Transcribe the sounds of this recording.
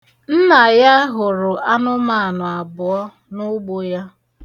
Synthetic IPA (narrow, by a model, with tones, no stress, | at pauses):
n̩˦na˨ja˦ɦʊ˨ɾʊ˨ʔa˦nʊ˦ma˨nʊ˨a˨bʊ˨ɔ˦ | nʊ˦ɡ͡bo˦ja˦